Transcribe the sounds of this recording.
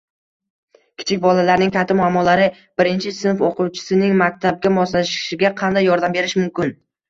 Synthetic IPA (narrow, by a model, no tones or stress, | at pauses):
kʲʰɪ̥t͡ʃʰɪk̚ʲbɒlalaɾnɪŋkʰʲat̪ʰːɪmʊamːɒlˠaɾɪ | b̥ɪɾɪnt͡ʃʰɪsɪnfoqʊwt͡ʃʰɪ̥sɪnɪŋmak̚ʲt̪ʰab̚ɡʲamɒslaʃɪ̥ʃɪɡʲaqʰɑnd̪ajːɒɾd̪ambe̞ɾɪʃmʊmkʲɪn